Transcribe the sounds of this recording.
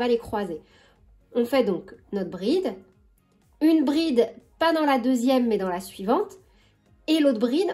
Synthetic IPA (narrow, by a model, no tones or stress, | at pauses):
valekχwaze | ɔ̃fɛd̪ɔ̃knɔt̪χbʁid̪ | ynbʁid̪pad̪ɑ̃lad̪øzjɛmːɛd̪ɑ̃lasɥivɑ̃t̪ | elot̪χbʁid̪